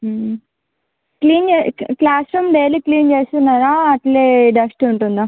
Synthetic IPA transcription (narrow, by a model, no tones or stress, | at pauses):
kliːnd͡ʒeːklaːsɾɐmɖejliːkliːnt͡ʃeːst̪unːaːɾaːɐʈleːɖɐsʈuɳʈund̪a